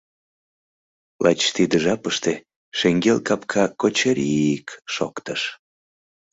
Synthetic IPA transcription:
lɑt͡ɕt̪id̪əʒɑpəʃt̪e | ʃeŋɡelkɑpkʰɑkot͡ɕeɾʲiikʃo̰kt̪əʃ

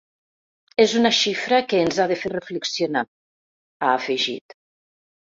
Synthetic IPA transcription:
ezunaʃifɾəkəːnzaðəferəfləksiona | aːfəʒḭt̪

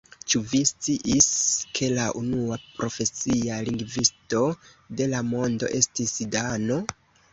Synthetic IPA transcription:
t͡ʃuvist͡siʔiskʰe̞laʔunuapɾo̞fe̞sialiŋɡvisto̞ | de̞lamo̞ndo̞̰ʔe̞stisidano̞

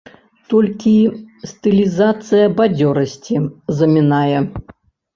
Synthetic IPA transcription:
t̪ɔlʲkʲist̪ɨlʲizat̪sɨjɐbad͡zʲɔɾɐsʲt͡sʲizɐmʲinajɛ

